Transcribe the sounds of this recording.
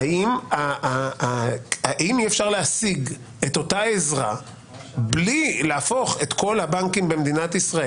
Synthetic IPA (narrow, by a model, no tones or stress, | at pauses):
aima | aʔimiefʃaʁleasiɡ | e̞t̪o̞tae̞zʁa̰ | blileafo̞χe̞t̪ko̞lhabaŋkimbe̞med̪inat̪isʁae